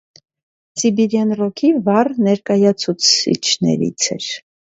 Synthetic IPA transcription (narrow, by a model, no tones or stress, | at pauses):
sibiɾjɑnrɔkʰivɑrnɛɾkɑjɑt͡sʰut͡sʰḭt͡ʃʰnɛ̰ɾḭt͡sʰɛ̰ɾ